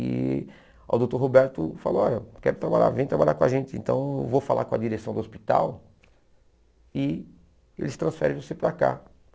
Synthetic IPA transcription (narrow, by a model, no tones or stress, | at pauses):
ɪ̰ | a̰wd̪owt̪oɾɦobɛɾt̪ʊfaloɔʎɐkɛɾʊt̪ɾabaʎa̰ɾvẽj̃ʊt̪ɾabaʎakõaʒẽnt͡ʃɪẽnt̪ɐ̃w̃ewvofalakõɐdiɾesɐ̃w̃d̪ʊospi̥t̪a̰w | ɪ | ḛlɪst̪ɾɐ̃sfɛ̰ɾẽvosepɾaka̰